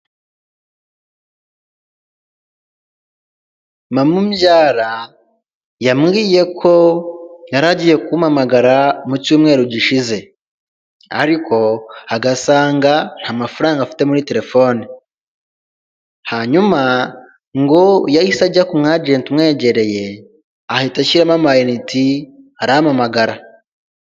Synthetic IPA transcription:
mamumɟaːɾa | jamɡiːje̞kʰo̞jaɾaɟije̞kumamaɡaɾamucuːmŋe̞ːɾuɟiʃize̞ | a̰ɾikʰo̞aɡasaːŋɡan̥hamafuɾaːŋɡafi̥te̞muɾite̞ɾe̞fo̞ːni | haɲuma | ŋɡo̞jajisaɟakumŋad͡ʒentimŋe̞ːɟe̞ɾe̞je̞ | ahitaʃiɾamamajiniti | aɾaamamaɡaɾa

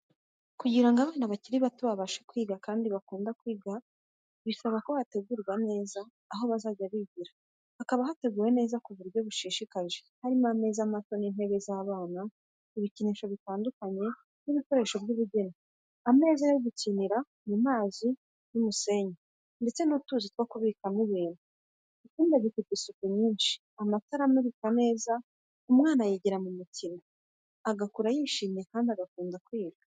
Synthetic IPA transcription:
kuɟiɾaŋɡaβaːnaβaciɾiβatuβaβaʃekwiːɡakaːndiβakuːndakwiːɡa | βisaβako̞hate̞ɡuɾɡwane̞ːzaː | ɦo̞βazaːɟaβiɟiɾa | akaβaɦate̞ɡuːwe̞ne̞ːzakuβuɾjo̞βuʃiːʃikaʒe̥haɾimame̞zamato̞ninhe̞βezaːβaːna | iβiciniʃo̞βitaːndukaɲe̞ | niβiko̞ɾe̞ːʃo̞bɟuβiɟena | ame̞ːzaaiɡuciniɾa | nimaːzi | numuse̞ɲe | nde̞t͡se̞nutuːzit̚waːkuβikaniβiːnu | ikiːndaβikitisukuɲiːnʃi̥ | amataɾameβikane̞ːza | umŋaːnajiɟiɾamumutina | aɡakuɾajiːʃiːmjekaːndiaɡakuːnzakwiːɾɡa

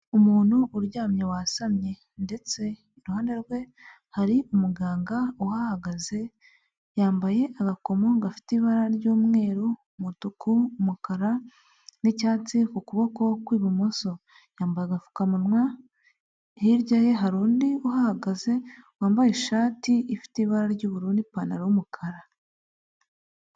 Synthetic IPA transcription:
umuːn̥huʔːɾɟaːmɲewasamɲe̞ | nde̞t͡se̞ | iɾuhaːnde̞ɾɡwe̞ | haɾiʔumuɡaːŋɡauhahaɡaze̞ | jaːmbaje̞ʔaɡako̞mo̞ŋɡafi̥tiβaɾaɾɟuːmŋe̞ːɾo | mutukʰuːmukaɾa | nicaːt͡sikukuβo̞ko̞kwiːβumoso̞ | jaːmbajeaɡafu̥kamunŋwa | hiɾɟaje̞ɦaɾuːndiuhahaɡaze̞waːmbajeʃaːtiifi̥tiβaɾaɾɟuːβuɾuːndipanaɾawumukʰaɾa

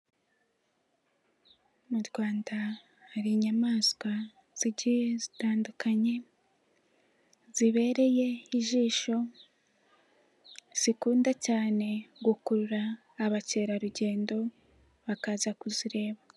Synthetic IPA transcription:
muɾɡwaːnda | haɾiɲamaːzɡwa | z̥iɟijezitaːndukaɲe̞ | z̥iβe̞ːɾe̞je̞iʒiːʃo̞ | z̥ikuːndacaːne̞ɡukuɾuɾaː | βace̞ɾaɾuɟe̞ːndo̞ | βakaːzakuziɾe̞ːβa

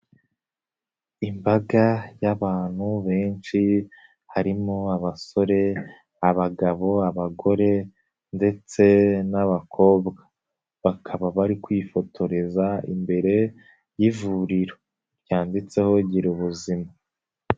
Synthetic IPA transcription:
imbaɡajaβaːn̥huβe̞ːnʃi | haɾimoaβaso̞ɾe̞ | aβaɡaβo̞aβaɡo̞ɾe̞ | nde̞t͡se̞naβakʰo̞ːbɡa | βakʰaβaβaɾikwifo̞tʰo̞ɾe̞zaḭmbe̞ɾe̞ | jivuɾiɾo | ɾjaːndit͡se̞ho̞ɟiɾuβuzima

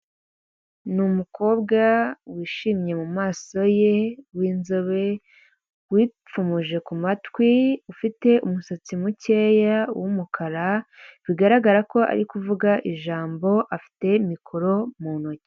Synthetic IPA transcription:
numukʰo̞ːbɡawiːʃiːmɲe̞mumaːso̞je̞wiːnzoβe̞ | wiːp͡fumuʒe̞kumatwiufite̞ʔumusat͡simuce̞ːjawumukʰaɾaβiɡaɾaɡaɾako̞ʔa̰ɾikuvuɡaʔiʒaːmbo̞ʔafi̥te̞imikʰo̞ɾo̞muːnoce̥

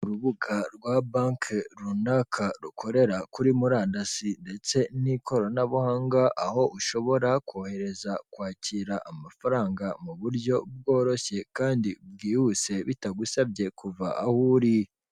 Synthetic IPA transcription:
uɾuβuɡaɾɡwabaŋkʰɾunakʰaɾukʰo̞ɾe̞ɾakuɾimuɾaːndasinde̞t͡se̞nikʰo̞ɾo̞naβuhaːŋɡaʔaho̞ʔuʃo̞βo̞ɾakohe̞ɾe̞zakwaːciɾaʔamafaɾaːŋɡamuβuɾɟjo̞b̚ɡo̞ːɾo̞çe̞kaːndibɡiːhuse̞βitaɡusabje̞kuva̰ʔahuɾi

